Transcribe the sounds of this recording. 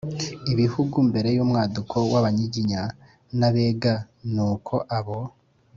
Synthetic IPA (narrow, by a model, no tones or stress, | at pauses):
iβihuɡumbe̞ɾe̞jumŋaːdukʰo̞waβaɲiɟiɲa | naβeːɡa | nuːkʰo̞ʔaβo